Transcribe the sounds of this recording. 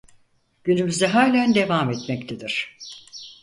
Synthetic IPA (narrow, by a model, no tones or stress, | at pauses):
ɟ̥ynymyzɛɦaːlʲænd̪e̞vamet̪mɛct̪ʰed̪iɾ̥